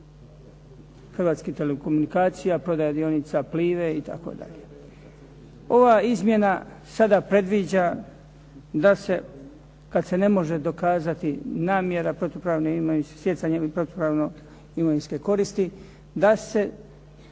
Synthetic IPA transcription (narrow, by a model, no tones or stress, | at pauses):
xrʋaːt̪skit̪e̞leko̞munikaːt̪sijapɾo̞d̪ajad̪io̞nit̪sapliːʋeit̪a̰ko̰d̪a̰ʎe | o̞ʋaizmje̞na | sad̪apɾe̞d̪ʋid͡ʑa | d̪ase̞ | kad̪se̞ne̞mo̞ʒe̞d̪o̞kaːzat̪inaːmje̞ɾapɾo̞t̪opɾaːʋnoimoinssje̞t̪saɲepɾo̞t̪opɾaʋno | imoʋinskeko̞ɾiːst̪i | d̪ase̞